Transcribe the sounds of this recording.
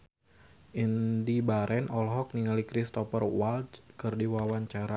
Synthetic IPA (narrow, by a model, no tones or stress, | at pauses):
ʔindibaɾʔɛnɔlɦɔk̚niŋalikɾist̪ɔfərwalt͡ʃkɨrdiwawaɲt͡ʃaɾa